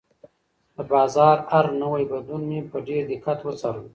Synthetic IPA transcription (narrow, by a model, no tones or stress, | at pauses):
d̪əbɑzɑɾaɾnəwajbad̪unmepəɖeɾd̪ɪkat̪wət͡sɑɾə